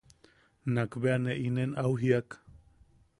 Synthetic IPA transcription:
nakbeaneʔinenawɦiak

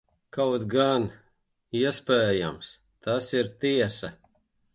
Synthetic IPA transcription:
kawt̪ɡan | iɛspɛːja̰ms | t̪asiɾt̪iɛsɐ

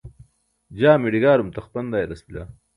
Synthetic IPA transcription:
d͡ʑaːmiɽiɡaːɾumt̪ɐxpɐnd̪aːjɾɐsbila̰

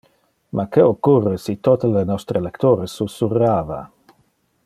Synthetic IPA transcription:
mʔakeokːurːesit̪ot̪elenɔst̪ɾelekt̪oɾesusurːaːva̰

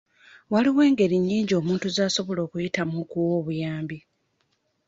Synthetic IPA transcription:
waliwe̞ːŋɡe̞ɾiɲːiːɲɟoːmuːntuzaːso̞βo̞lo̞ːkujitamukuwo̞ːβujaːmbi

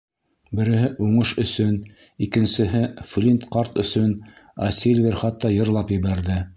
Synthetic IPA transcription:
bɘ̆ɾɘ̆ɦɘʔuɴɤʃɵ̆sɵn | ikɘ̆nsɘ̆ɦɘflʲint̪qɑɾt̪ɵ̆sɵnɑ̰silʲvʲeɾχɑt̪ːɑjɤ̆ɾlˠɑpjɘ̆βæɾðɘ

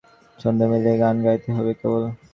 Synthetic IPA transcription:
t͡ʃond̪emeleɡanɡait̪eɦɔbekebol

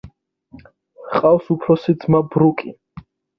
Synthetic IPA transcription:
qʼawsupʰɾɔsid̪zmabɾukʼi

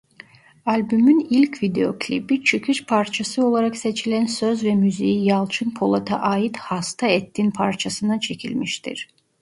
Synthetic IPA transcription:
alʲbymynilʲcvid̪eo̞̰kʰlʲḭbit͡ʃʰycʰyʃpʰaɾt͡ʃʰasɯo̞lˠaɾakse̞t͡ʃʰilʲænsøzvɛmyzijijalˠt͡ʃʰɯnpʰo̞lˠat̪ʰa̰ʔaːit̪hast̪ʰaɛt̪ʰːinpʰaɾt͡ʃʰasɯnat͡ʃʰe̞cʰḭlʲmiʃt̪ʰḭɾ̥

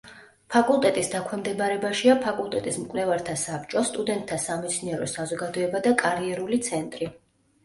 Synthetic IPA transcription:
pʰakʼulˠt̪ʼɛt̪ʼisd̪akʰwɛmd̪ɛbaɾɛbaʃiapʰakʼulˠt̪ʼɛt̪ʼismkʼwlɛvaɾt̪ʰasapt͡ʃʼɔst̪ʼud̪ɛnt̪̚ʼt̪ːʰasamɛt̪sʰniɛɾɔsazɔɡad̪ɔɛbad̪akʼaɾiɛɾulit̪sʰɛnt̪ʼɾi

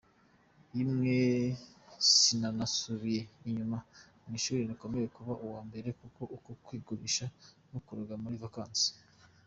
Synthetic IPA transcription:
jimŋe | sinanasuβije̞iɲuma | mŋiːʃuːɾiniko̞me̞je̞kuβaʔuwaːmbe̞ɾe̞kuko̞ʔukokwiːɡuɾiʃa | nokuɾaɡamuɾivakaːnsi̥

